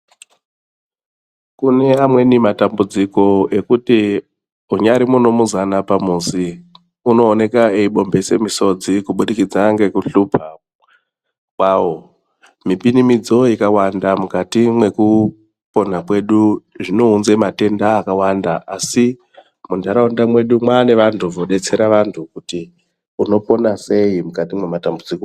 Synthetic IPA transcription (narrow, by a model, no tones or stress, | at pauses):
kune̞amwe̞nimatambud͡ziko̞e̞kuti | uɲaɾimuno̞muzanapamuːsi | uno̞ːne̞kaeiɓo̞mbe̞se̞miso̞d͡zikuɓuɗikid͡zaŋɡe̞kuɬuːpʰa | kwaːwo | mipinimid͡zo̞ikawandamukatimwe̞ku | po̞nakwe̞ɗuʐino̞unzemate̞ndaːkawandaʔasi | mundʱaɾaundamwe̞ɗumwaːne̞ʋantʰuvoɗe̞t͡se̞ɾaʋantʰukuti | uno̞po̞nase̞imukatimwe̞matambud͡ziko